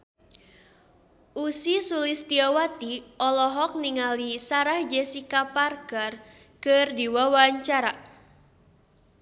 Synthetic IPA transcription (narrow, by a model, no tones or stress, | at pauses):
ʔusisulɪst̪iawat̪iɔlɔɦɔk̚niŋalisaɾahd͡ʒɛsikaparkərkɨrdiwawaɲt͡ʃaɾa